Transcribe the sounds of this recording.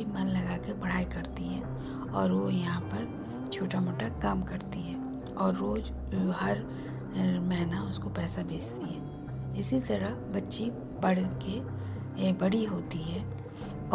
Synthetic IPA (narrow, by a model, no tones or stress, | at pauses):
imɐnlɐɡaːkebɐɽ̤aːikɐɾt̪iɦɛː | ɔːɾʋojɐɦãpɐɾ | t͡ʃʰoːʈamoːʈakaːmkɐɾt̪iɦɛː | ɔːɾːoːd͡ʒ | ɦɐɾ | mɛɦnaʊskopɛːsabʱeːd͡ʒt̪iɦɛː | ɪsit̪ɐɾaɦbɐtːʃi | bɐɽke | bɐɽiɦoːt̪iɦɛː | ɔː